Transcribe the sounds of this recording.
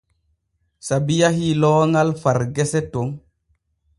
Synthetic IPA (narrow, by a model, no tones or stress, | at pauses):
sabijaɦilɔːŋalfaɾɡɛsɛtoŋ